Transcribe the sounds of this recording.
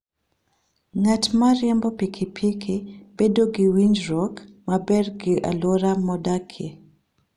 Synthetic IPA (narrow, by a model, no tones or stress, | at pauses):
ŋatmaɾɪɛmbɔpikʰipʰikʰɪb̥edoɡɪwiɲd͡ʒɾɔkmabɛrɡɪʔa̰lwɔɾamɔdakʰe